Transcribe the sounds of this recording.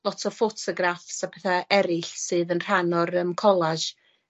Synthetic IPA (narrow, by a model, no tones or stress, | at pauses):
lˠɔtʰɔfotʰɔɡɾafsapʰeθaɛɾɪɬsɨːðənr̥anɔɾəmkʰɔlˠaʒ